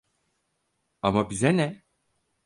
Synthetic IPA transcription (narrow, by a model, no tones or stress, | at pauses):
amabizɛnɛ